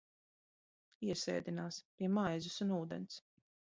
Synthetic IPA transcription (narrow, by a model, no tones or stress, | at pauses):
iɛsɛ̰ːd̪inaːspiɛmajzusunuːd̪ɛ̰ns